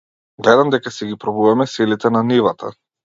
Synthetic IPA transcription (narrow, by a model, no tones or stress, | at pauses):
ɡlɛd̪amd̪ɛkasɛɡipɾɔbuvamɛsilit̪ɛnanivat̪ʰa̰